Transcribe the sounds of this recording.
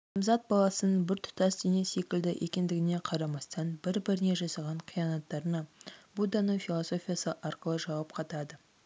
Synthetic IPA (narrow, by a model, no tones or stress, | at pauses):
əmzɑt̪̚bɑlˠɑsənəbɪɾt̪ʰʊ̥t̪ɑsd̪enese̞kʲɪld̪ɪʔḛkʲend̪ɪɡʲɪne̞qʰɑɾɑmɑst̪ɑnbɪɾbɪɾɪne̞ʒɑsɑʁɑɴqʰijɑnɑt̪ːɑɾənɑbud̪ɑnəɴfʲilˠoso̞fʲijɑsəʔɑɾqəlˠəʒɑwɑp̚qʰɑt̪ɑd̪ə